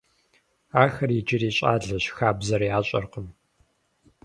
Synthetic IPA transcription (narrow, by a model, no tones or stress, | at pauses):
aːxɐrid͡ʒɪriːɕʼa̰ːɮɐɕxaːbzɐɾjaːɕʼɐ̰rqəm